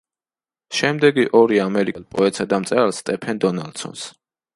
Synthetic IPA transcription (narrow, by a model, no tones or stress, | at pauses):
ʃɛmd̪ɛɡiʔɔɾiamɛɾikʼɛlˠpʼɔɛt̪ʼsad̪amt̪sʼɛlˠst̪ʼɛpʰɛnd̪ɔnalˠd̪sɔ̰ns